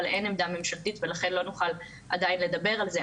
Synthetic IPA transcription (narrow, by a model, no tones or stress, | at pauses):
alʔenemd̪amemʃaχt̪it̪velaχe̞nlo̞nuχal | ad̪ainle̞d̪abe̞ʁalze